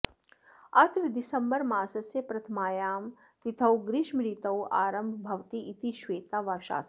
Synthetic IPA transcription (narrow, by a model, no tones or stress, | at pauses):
ɐt̪ɾd̪ɪsɐmbəɾmaːsɐsepɾɐt̪ʰmaːjaːm | t̪it̪ʰɐwɡɾɪʃmɾit̪ɐwʔaːɾəmbʱbʱɐʋt̪iʔːt̪iʃʋeːt̪aːʋaːʃa̰ːs